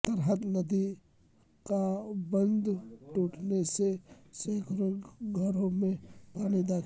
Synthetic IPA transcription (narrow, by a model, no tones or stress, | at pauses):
t̪ɐɾɦət̪nɐd̪i | kabɐ̃nd̪ʈuːʈneseseːkʰɾoɡɡʱɐɾõmẽpaːnid̪aːkʰ